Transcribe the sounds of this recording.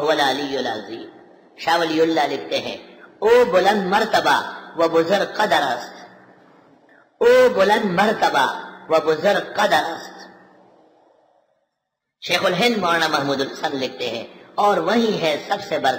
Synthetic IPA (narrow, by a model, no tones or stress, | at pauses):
ɦwɐlaːlijʊlaːziː | ʃaːʋɐliːʊlːalɪk̚ʰt̪eɦɛ̰̃ː | oːbʊlɐ̃nd̪mɐɾt̪ɐba̰ʋɐbʊzʊɾɡqɐd̪ɐɾɐst̪ | oːbʊlɐ̃nd̪mɐɾt̪ɐba̰ʋɐbʊzʊɾɡ̚qɐd̪ɐɾɐst̪ | ʃeːxʊlɦɪ̃nd̪maːñamɐɦmuːd̪ʊlɐsɐ̃nlɪk̚ʰt̪eɦɛ̰̃ːɔːɾʋɐɦĩɦɛ̃sɐbsebɐɾ